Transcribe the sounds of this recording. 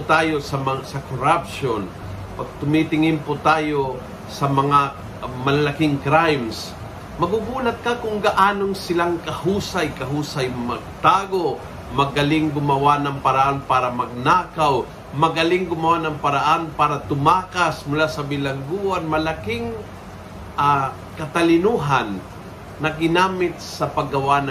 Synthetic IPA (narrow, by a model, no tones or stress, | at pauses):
pt̪aːjosɐmɐsɐkoɾapʃon | pɐɡ̚t̪ʊmit̪ɪŋɪnpot̪aːjo̞ | sɐmɐŋa | mɐlalakɪŋkɾajms | mɐɡuɡuːlɐt̪̚kɐkʊŋɡɐʔaːnoŋsɪlaŋkɐhuːsajkɐɦuːsajmɐɡ̚t̪aːɡoʔ | mɐɡɐlɪŋɡʊmɐwanɐŋpɐɾaʔanpaːɾɐmɐɡ̚naːkaw | mɐɡɐlɪŋɡʊmɐwanɐŋpɐɾaʔanpaːɾɐt̪ʊmaːkasmʊlasɐbɪlɐŋɡuːʔanmɐlakɪŋ | ʔa | kɐt̪ɐlɪnuːɦanː | ɐɡɪnaːmɪt̪̚sɐpɐɡɐwanɐ